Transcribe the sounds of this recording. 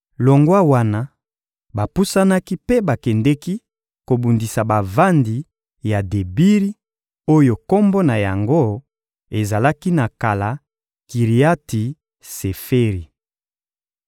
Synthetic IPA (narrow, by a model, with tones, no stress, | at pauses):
lo˨ŋɡwa˦wa˦na˦ | ba˨pu˦sa˦na˦ki˦pe˦ba˨kɛ˨ndɛ˦ki˦ | ko˨bu˨ndi˨sa˨ba˨va˦ndi˨ | ja˨de˨bi˦ʁi˦ | o˦jo˨ko˦mbo˦na˨ja˨ŋɡo˦ | e˨za˨la˦ki˦na˨ka˨la˨ | ki˨ʁi˨a˦ti˨ | se˨fe˦ʁi˨